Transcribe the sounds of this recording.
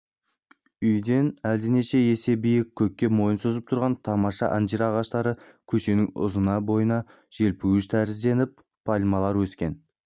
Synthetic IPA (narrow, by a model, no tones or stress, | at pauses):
ʏjd̪e̞næld̪ɪne̞ʃe̞je̞se̞bijɪkʲʰːɵkʲːe̞mo̞jənsozəp̚t̪ʰʊɾʁɑnt̪ʰɑmɑʃɑ̰ʔɑnd͡ʒ̪iɾɑʁɑʃt̪ɑɾə | kʲʰɵʃe̞nɪŋʊ̰zənɑbo̞jənɑ | ʒ̥e̞lpuwɪʃt̪ʰæɾɪzd̪e̞nɪp̚ | pʰːɑlʲmɑlˠɑɾwɵskʲe̞n